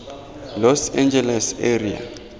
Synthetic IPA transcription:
lɔsɛ̃nd͡ʒɛlɛseria̰

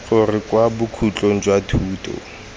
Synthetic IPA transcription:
fʊrɪkwabʊkʰut͡ɬʼoŋ̩d͡ʒwatʰuːtʰʼɔ̰

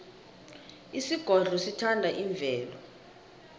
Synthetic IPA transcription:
isiɡ̥ʱɔrʱɔsitʰandʱaʔiɱb̪vʱɛːlɔ

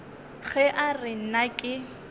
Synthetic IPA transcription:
ɣɛʔarɪn̩nakʼɪ

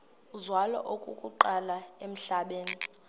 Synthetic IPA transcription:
uzwalɔ̰ʔokʼukʼuǃalaem̩ɬaɓeːni

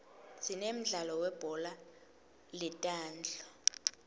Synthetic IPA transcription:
sinem̩ɮalɔwɛb̥ʱɔla | lɛtʼaːnd͡ɮʱɔ

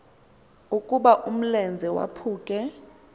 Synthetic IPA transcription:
ukʼuɓaʔum̩lɛnd͡zʱɛwa̰pʰuːkʼɛ

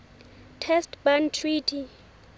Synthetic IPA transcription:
tʰɛstbantʰritʰi

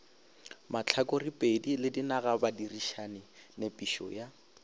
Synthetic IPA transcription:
mat͡ɬʰakoripʼedilɪdinaɣabadiriʃanɪnepʼiʃɔ̰ja

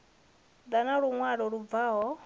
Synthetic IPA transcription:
d̪anaɺuŋwaɺɔɺub̪vaɦɔ

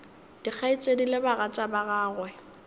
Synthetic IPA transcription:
d̥ik͡xʰait͡ʃʼedilebaɣat͡ʃʼabaɣaːɣwɛ

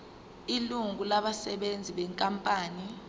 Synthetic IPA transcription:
iluŋulaɓasɛɓend͡zʱiɓɛŋkʼampʼaːni

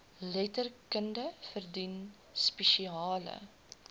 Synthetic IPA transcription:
lɛtərkəndəfərdin | spɛʃiɑːlə̰

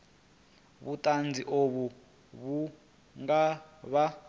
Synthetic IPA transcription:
βutʼand͡ziʔoβu | βu | ŋɡaβa

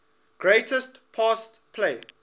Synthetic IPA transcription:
ɡ̥ɹeɪtəstpʰastpʰleː

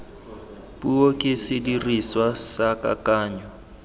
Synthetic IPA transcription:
buokʼɪsɪdiriswasakʼa̰kʼaːɲɔ

